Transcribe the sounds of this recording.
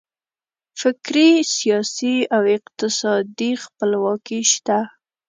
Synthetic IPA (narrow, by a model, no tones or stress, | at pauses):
fɪkɾisijɑsiawɪqt̪ɪsɑd̪ixpəlwɑkiʃt̪a